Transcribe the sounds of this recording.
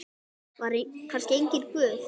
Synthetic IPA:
vaɾikʰanscɪejɲcɪnkvœːθ

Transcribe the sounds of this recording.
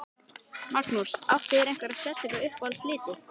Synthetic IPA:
maɾt̪muɾ̥saft̪ɪɾejŋ̥kvaɾaðsjɛsɛkaʏhpvalsliːt̪ɪ

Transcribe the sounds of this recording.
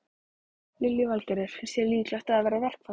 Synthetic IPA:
lɪlːjʏvalcɛɾɪɾ̥sjɛɾliːk̪laht̪aðaðvɛːɾavɛr̥kva

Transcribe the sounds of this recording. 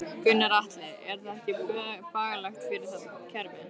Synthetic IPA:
kʏnːaɾaht̪lɪɛɾ̥θaðɛhcɪfaːɣalaxt̪fɪɾɪɾ̥θacʰɛɾvɪ

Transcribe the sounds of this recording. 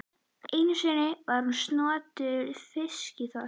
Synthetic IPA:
ejnʏsɛnɪvaɾ̥hunst̪nɔːt̪ʏʏɾfɪscɪθɔ

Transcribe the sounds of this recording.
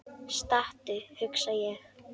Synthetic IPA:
st̪aht̪ʏhʏksajɛx

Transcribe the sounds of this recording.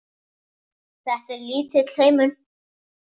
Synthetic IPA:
θɛhk̪ɪɾliːt̪ɪðl̥hœːɥmʏn

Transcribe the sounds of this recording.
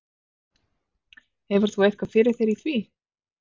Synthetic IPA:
ɛvʏɾ̥θuɛjhkvaðfɪːɾɪ̥θejɾiθvi

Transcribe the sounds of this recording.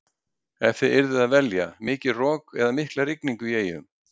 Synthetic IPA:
ɛnθɪɪɾðɪðaðvɛljamɪːcɪrɔːkɛðamɪhklarɪkniŋkʏjeːjʏ̰m

